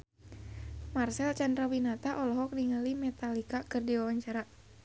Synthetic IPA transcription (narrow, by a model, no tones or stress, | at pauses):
marsɛlt͡ʃandɾawinat̪aʔɔlɔɦɔk̚niŋəlimɛt̪alikakɨərdiwawaɲt͡ʃaɾa